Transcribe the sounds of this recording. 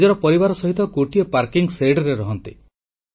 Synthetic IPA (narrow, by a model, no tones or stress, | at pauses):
d͡ʒɔɾɔpɔɾibaɾɔsɔɦit̪ɔkoʈiɔpaɾkiŋseɖɔɾeɾɔɦɔnt̪ḭ